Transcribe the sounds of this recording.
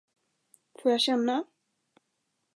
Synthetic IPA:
foːɾjaɕɛnːa

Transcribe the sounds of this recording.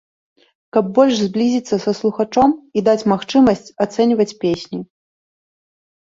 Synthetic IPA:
kɐb̚ːɔlʲʂzʲblʲizʲit̪sːɐsɐslˠuxat͡ʂɔmid̪at͡sʲmaxt͡ʂɨmɐsʲt͡sʲat̪sɛnʲvɐt͡sʲpʲesʲnʲi

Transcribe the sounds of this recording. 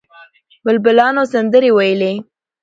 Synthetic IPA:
bəlbɪlɑnosand̪əɾewajəle

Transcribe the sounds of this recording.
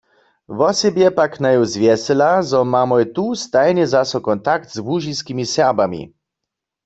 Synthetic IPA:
ʋɔsɛbjɛpaknajɔwzvjɛsɛlazɔmamɔjt̪ust̪ajɲɛzasɔkɔnt̪ak̚t̪zbuʒiskimisɛʁbamḭ

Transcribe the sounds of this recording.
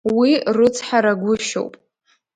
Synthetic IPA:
wirɨt͡sʰħaɾaɡʷʊʃo̰wpʼ

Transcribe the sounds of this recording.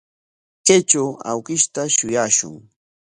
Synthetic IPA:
ket͡ʃawa̰wkɪʃt̪aʃʊjaːʃʊ̰ŋ

